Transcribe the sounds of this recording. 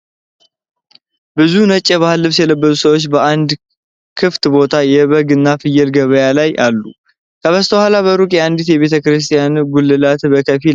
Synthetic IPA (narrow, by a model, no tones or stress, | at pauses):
bɨzunət͡ʃʼːɛβahɨlːɨβsjɛləbːəzusəwo̞t͡ʃːbəʔand̪ | kʰɨft̪bo̞t̪ʰajɛβəɡɨnːafɨjɛlɡəβəjalajʔalːu | kʰəβəst̪ʰəwhalaβəɾukʼjɛand̪it̪jɛβe̞t̪ʰəkɨɾɨst̪ʼijanɡulːɨlat̪bəkʰəfi